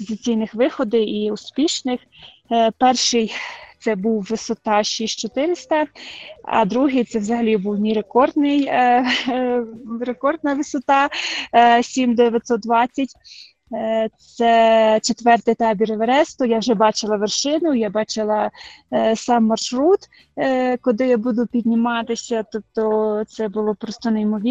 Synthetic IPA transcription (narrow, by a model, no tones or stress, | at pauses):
pɔzɪt͡sʲijnɪxʋɪxɔd̪ɪiʊspʲiʃnɪx | pɛrʃɪjt̪sɛbuwːɪsɔt̪ɑʃisʲt͡ʃɔt̪ɪɾɪsʲt̪ɐ | ɐ̰d̪ɾuɦɪjt̪sɛwzɐɦɐlʲibuwnʲiɾekɔrd̪nɪj | ɾekɔrd̪̚nɐʋɪsɔt̪ɑ | sʲimd̪d̪eʋʲjɐt̪ʲsɔt̪̚d̪ʋɑt͡sʲːɐtʲ | t̪sɛt͡ʃet̪ʋɛrt̪ɪjt̪ɑbʲiɾeʋeɾɛst̪ɔjawʒɛbɑt͡ʃɪlˠɐʋerʃɪnʊjabɑt͡ʃɪlˠɐ | sɑmːɐrʃɾut̪ | kɔd̪ɪjabud̪ʊpʲidʲnʲimɑt̪ɪsʲɐt̪ɔp̚t̪ɔt̪sɛbʊlˠɔpɾɔst̪ɔnejmɔʋʲi